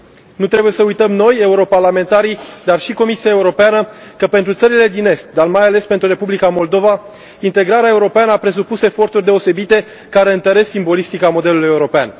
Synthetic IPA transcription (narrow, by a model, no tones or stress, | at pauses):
nut̪ɾe̞buje̞səujt̪əmno̞je̞uɾo̞parlame̞nt̪aɾid̪arʃiko̞misiae̞uɾo̞peanəkəpe̞nt̪ɾut̪səɾile̞d̪ine̞st̪̚d̪armajale̞spe̞nt̪ɾuɾe̞publikamo̞ld̪o̞va | int̪e̞ɡɾaɾeaeuɾo̞peanəapɾe̞s̬upuse̞fo̞rt̪urʲd̪e̞o̞se̞bit̪e̞ | kaɾe̞ɨnt̪əɾe̞ssimbo̞list̪ikamo̞d̪e̞luluje̞uɾo̞pea̰n